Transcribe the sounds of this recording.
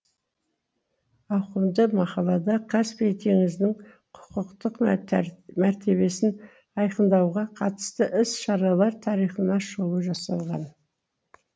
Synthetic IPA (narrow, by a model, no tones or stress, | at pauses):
ɑwqəmd̪əmɑqɑlˠɑd̪ɑqʰɑspet̪ʰe̞ŋɪznɪŋ | qʰʊ̥qəqt̪əq | mæɾt̪ʰe̞βe̞sɪn | ɑjqənd̪ɑwʁɑqʰɑt̪ə̥st̪əʔɪsʃɑɾɑlˠɑɾt̪ʰɑɾijχənɑʃolˠəʒɑsɑlˠʁɑ̰n